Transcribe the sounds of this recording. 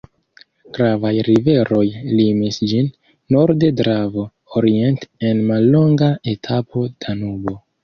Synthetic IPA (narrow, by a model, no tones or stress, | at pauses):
ɡ̥ɾavajɾive̞ɾo̞jlimisd͡ʒinː | o̞ɾde̞dɾavo̞ | oɾie̞nte̞nmalːo̞ŋɡae̞tʰapʰo̞d̥anubo̞